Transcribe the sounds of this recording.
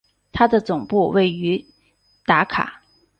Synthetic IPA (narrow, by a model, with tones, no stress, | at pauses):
t̪ʰa˥d̪ə˨t͡sʊ˨˩ŋpu˥˧we˥˩ɪy˧˥ | t̪a˧˥kʰa̰˨˩˦